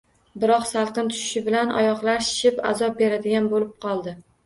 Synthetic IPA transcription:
bɪɾɒqsalˠqɨnt̪ʰʊ̥ʃɪ̥ʃɪbɪlanɒ̰jɒqlˠaɾʃɪ̥ʃɪpa̰zɒp̚be̞ɾad̪ɪɡʲanbolɪp̚qʰɒlˠd̪ɪ

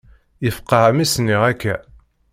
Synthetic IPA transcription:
jəfqːɑhæmisniʁækːæ

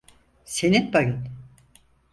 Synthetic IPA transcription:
senit̪bajɯn

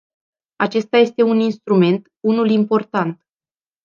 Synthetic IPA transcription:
at͡ʃe̞st̪aje̞st̪e̞uninst̪ɾume̞nt̪ | unulimpo̞rt̪ant̪

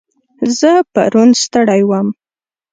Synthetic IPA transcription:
zəpa̰ɾunst̪əɽajwəm

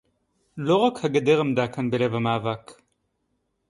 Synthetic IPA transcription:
loʁɐkʰhɐɡɐd̪eʁɐmd̪aːkʰɐnbɨlevɐmaːvaːkʰ

